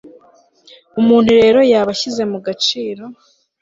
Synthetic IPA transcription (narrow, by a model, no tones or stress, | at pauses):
umuːn̥huɾe̞ːɾo̞jaːβaçize̞muɡat͡ʃiːɾo̞